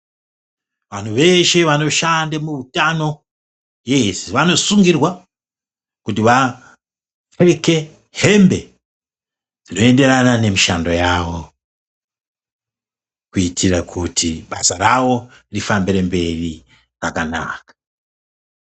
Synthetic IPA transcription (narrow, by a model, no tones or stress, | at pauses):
ʋan̤uʋe̞ʃe̞ʋano̞ʃandamuutano̞ | jesiʋano̞suŋɡirwa | kutiʋa | feeke̞ | he̞mbe̞ | d͡zino̞e̞nde̞ɾanane̞miʃando̞jawo̞ | kuitʰiɾakʰutʰiɓasarawo̞ | irifambiɾe̞mbe̞ri | rakana̰ːkḁ